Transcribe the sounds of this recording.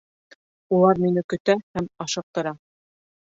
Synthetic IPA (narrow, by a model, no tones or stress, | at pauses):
ulˠɑɾminɘkɵ̆t̪æhæmɑʃɤ̆q̚t̪ɤ̆ɾɑ